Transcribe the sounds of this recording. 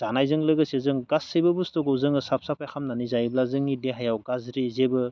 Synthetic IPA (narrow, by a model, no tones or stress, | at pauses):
d̥anajzɯŋlɯɡɯsezɯŋɡasɯjbɯbustɔɡɯwzɯŋɯsap̚sapʰajkʰamnanizajblazɯŋideɦajawɡazɾizebɯ